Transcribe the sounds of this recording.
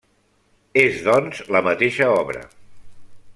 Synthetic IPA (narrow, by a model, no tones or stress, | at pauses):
ezðɔnzləmət̪eʃəɔβɾə̰